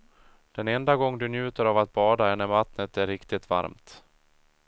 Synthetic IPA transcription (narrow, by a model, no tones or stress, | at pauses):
d̪̥ɛnɛnd̪aɡɔŋːd̪ɵnjʉ̟ːt̪əɾavat̪̚bɑːd̪aɛnːəɾmat̪nət̪æɾɾɪkt̪ɪt̪va̰ɾmt̪